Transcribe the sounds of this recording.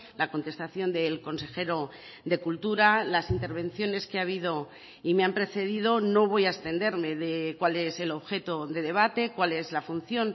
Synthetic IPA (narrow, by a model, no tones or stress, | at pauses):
lako̞nt̪e̞st̪aθjo̞nd̪e̞lko̞nse̞xe̞ɾo̞ | ðe̞kult̪uɾalasint̪e̞ɾβ̞e̞n̟θjo̞ne̞skeaβ̞iðo̞ | imeampɾe̞θe̞ðið̞o̞no̞β̞o̞jaest̪e̞nd̪e̞ɾme̞ðekwale̞se̞lo̞βxe̞t̪oðe̞ðe̞β̞at̪e̞kwale̞zlafun̟θjo̞n